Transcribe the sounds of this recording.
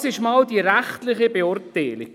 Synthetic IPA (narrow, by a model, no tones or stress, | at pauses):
sɪʃmald̥iɾæχtlɪχəbeʊrtːɛːlɪ̰